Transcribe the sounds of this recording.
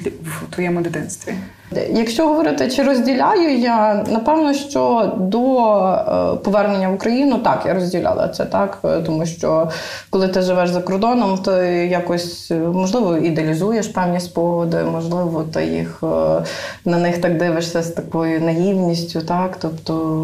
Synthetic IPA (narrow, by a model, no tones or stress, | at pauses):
t̪ʋɔjɛmɔd̪ɪd̪ɪnst̪ʋʲi | jɐkʃt͡ʃɔɦɔʋɔɾɪt̪ɪt͡ʃɪɾɔzʲdʲilʲajʊjanɐpɛwnɔʃt͡ʃɔd̪ɔ | pɔʋɛrnenʲːɐʋʊkɾɐjinʊt̪ɑkjaɾɔzʲdʲilʲʔa̰lˠɐ̰t̪sɛt̪ɑkt̪ɔmuʃt͡ʃɔ | kɔlˠɪt̪ɪʒɪʋɛʃzɐkɔrd̪ɔnɔmt̪ɪjakɔsʲmɔʒlˠɪʋɔid̪eɐlʲizujeʃpɛwnʲisʲpɔɦɔd̪ɪ̰mɔʒlˠɪʋɔt̪ɪ̰jḭx | nɐnɪxt̪ɑɡd̪ɪʋɪʃsʲɐst̪ɐkɔjʊnɐɦiwnʲisʲtʲʊt̪ɑkt̪ɔpt̪ɔ